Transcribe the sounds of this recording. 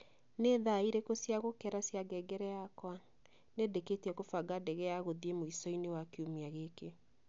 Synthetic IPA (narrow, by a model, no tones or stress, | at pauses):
neðaiɾekosjaɣokɛɾasjaɡɛɡɛɾɛjakwa | nedeketiɛkofaɡadɛɣɛjaɣoðiemoisɔinewakeomiaɣeke